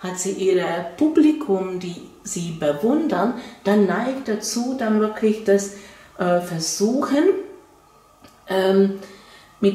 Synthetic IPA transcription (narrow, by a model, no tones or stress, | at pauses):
hatz̥iːʔiːʁəpʰublikʰʊmdiː | ziːbəvʊndənd̥anːaɪkt̚d̥at͡suːdanvɪɐkʰlɪçd̥as | ʔɛːfɛɐzuːxən | ʔɛːm | mɪt